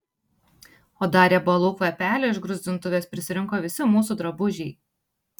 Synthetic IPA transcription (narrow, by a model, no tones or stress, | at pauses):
oːd̪ɑːɾʲeːbɐlˠʊkoːjɛpʲæːlʲoɪʒɡɾʊzʲd̪ʲɪnt̪ʊʋʲeːspʲɾʲɪsʲɪɾʲɪŋˑkoːʋʲɪsʲɪmuːsuːd̪ɾɐbʊʒʲɛɪ